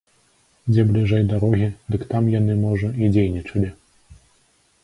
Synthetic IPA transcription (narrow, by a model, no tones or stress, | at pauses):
d͡zʲɛblʲiʐɛjd̪aɾɔɣʲid̪ɨkt̪amjanɨmɔʐɐid͡zʲejnʲit͡ʂɐlʲi